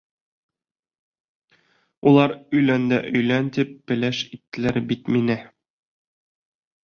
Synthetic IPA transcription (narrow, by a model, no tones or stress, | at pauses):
ulˠɑɾɵ̆jlænd̪æʔɵ̆jlænt̪ip̚bɘ̆læʃit̪ːɘ̆læɾbit̪minɘ